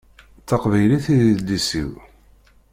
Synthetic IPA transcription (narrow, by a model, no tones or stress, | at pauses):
θːɑqvæjliθiðiðlːisḭw